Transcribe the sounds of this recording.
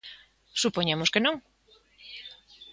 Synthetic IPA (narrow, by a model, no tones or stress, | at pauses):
supoɲemʊskenõŋ